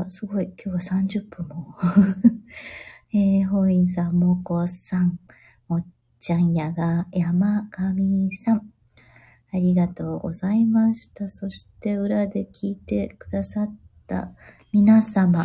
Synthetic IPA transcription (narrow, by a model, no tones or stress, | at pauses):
sɨɡo̞ikʲʰo̞ːβasãɲ̟d͡ʑɨpːɯ̟̃mːo | eːɦo̞ĩs̬ãmːokosãŋ | o | t͡ɕãɰ̃jaɡajamakamʲisãŋ | aɾʲiɡat̪o̞ːɡo̞̰zaimaɕi̥t̪aso̞ɕi̥t̪e̞ɯ̟ɾad̪e̞kʲʰiːt̪e̞kɯ̟d̪asat̪ːa̰ | mʲinasama